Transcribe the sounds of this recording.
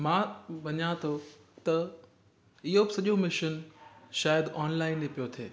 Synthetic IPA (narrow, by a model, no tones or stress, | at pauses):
mãːbɐɲãt̪ʰo | t̪ɐ | ɪɦobɪsɐʄomɪʃənʃaːjəd̪ɔːnlaːɪnepijot̪ʰeː